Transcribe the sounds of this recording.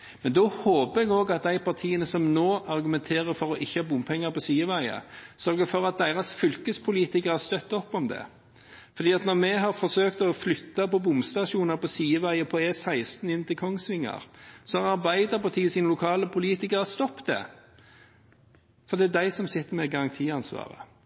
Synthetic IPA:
mɛnd̪ɔhoːpəɾɛɡoːɡɑt̪̚d̪æɪpɑɾt̪ʰiːənəsɔmnoːʔɑʁɡʉmɛnt̪ʰeːʁəfɔɾɔʔɪçːəhɑːbʊmpʰɛŋːɑpɔsiːəʋæɪə̰sœɾɡəfɔɾɑt̪̚d̪æɪʁɑsfʏlkəspʰʊliːt̪ɪkəɾɑst̪œt̪ːɔpːɔmd̪ɛ̰ | fɔɾd̪iːɑt̪nɔʁmɛɦɑʁfɔɾsøːkt̪ɔflʏt̪ːɑpɔbʊmst̪ɑʂuːnɑpɔsiːəʋæɪəpʰɔɛsæɪst̪nɪnt̪ɪlkʰɔŋsʋɪŋːɑ̰ʁsɔhɑʁɑɾbæɪd̪əpɑʁt̪ʰiːəsiːnəlʊkʰɑːləpʰʊliːt̪ɪkəʁɑst̪ɔpːd̪ɛ̰ | fɔɾd̪ɛæd̪æɪsɔmsɪt̪ːəɾmɛɡɑɾɑŋt̪ʰiːɑnsʋɑ̰ːʁə̰

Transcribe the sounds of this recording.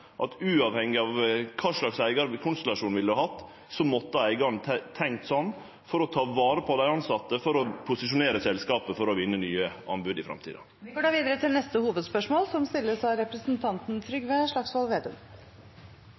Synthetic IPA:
ʔɑ̰t̪ʉːɑʋhɛŋːɪɑʋkʰɑːʂɭɑksæɪɡɑɾkʰʊnst̪ɛlɑʂuːnʋɪld̪hɑhɑt̪ː | sɔmɔt̪ːəæɪɡɑɾɳʰt̪ʰɛŋkt̪sɔnː | fɔɾɔt̪ʰɑːʋɑːɾəpʰɔd̪æɪɑnsɑt̪ːəfɔɾɔpʰʊsɪʂʊneːɾəsɛlskɑːpəfɔɾɔʋɪnːənyːəʔɑ̰nbʉːd̪ɪfɾɑ̰mt̪ʰḭːd̪ɑ̰ | ɪɡoːɖɑːʋiːd̪əɾət̪ʰɪlnɛst̪əhuːʋəd̪spœʂmoːlsɔmst̪ɪlːəsɑɾɛpɾəsnt̪ʰɑnt̪n̩t̪ʰɾʏɡʋeʂɭɑksʋɑlʋeːd̪ʉ̰m

